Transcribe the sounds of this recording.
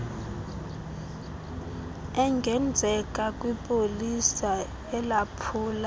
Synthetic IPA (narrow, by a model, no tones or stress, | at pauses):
ɛŋɡʱɛnd͡zʱɛkʼakʼwipʼolisa | ɛlapʰuːla